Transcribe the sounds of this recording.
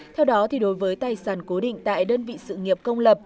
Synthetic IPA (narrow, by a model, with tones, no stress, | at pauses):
t̪ʰɛ˧wɗɔ˨˦t̪ʰi˨˩ɗo˨˦jvəː˨˦jt̪aː˨˩jsaː˧˩nko˨˦ɗḭ˧˨ŋ̟t̪a̰ː˧˨jɗəː˧nvḭ˧˨sɨ̰˧˨ŋi˨˩əp̚kə˧wŋ͡mlə˨˩p̚